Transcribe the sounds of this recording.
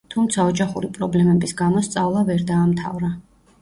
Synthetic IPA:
t̪ʰumt̪sʰaɔd͡ʒaχuɾipʼɾɔblɛmɛbisɡamɔst̪sʼavlˠavɛɾd̪aːmt̪ʰa̰vɾa

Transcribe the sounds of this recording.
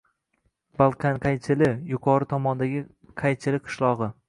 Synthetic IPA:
balˠkʲʰanqʰajt͡ʃʰɪlɪjʊqʰɒɾɪt̪ʰɒmɒnd̪aɡʲɪ | qʰajt͡ʃʰɪlɪqʰɨ̥ʃlˠɒʁɨ

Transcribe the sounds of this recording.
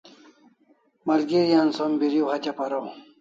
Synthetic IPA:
mɐlɡiɾjansombiɾiwhɐt͡ɕɐpɐɾow

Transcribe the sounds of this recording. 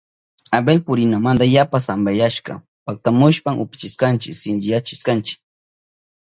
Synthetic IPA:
abelpʊɾɪnamand̪ajapasambajaʃkɑ̰ | pak̚t̪amʊʃpamʔʊpɪ̥t͡ʃɪskant͡ʃɪksɪnt͡ʃɪjat͡ʃɪ̥skant͡ʃɪ̥k̚

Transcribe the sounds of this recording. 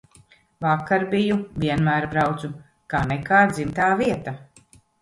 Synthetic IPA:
vakːaɾbijuviɛnmæːɾbɾawt̪su | kaːnɛkaːd̪zimt̪aːviɛt̪a

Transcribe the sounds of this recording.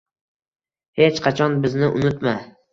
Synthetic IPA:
he̞t͡ʃqʰɑt͡ʃʰɒnbɪznɪʔʊnɪt̪ma

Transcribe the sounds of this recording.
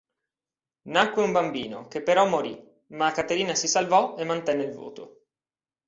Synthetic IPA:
nakːweumbambiːno̰k̟epːeɾɔmːoɾḭ | makːat̪eɾiːnasisalvɔemːant̪ɛnːeilvo̰ːt̪o̰

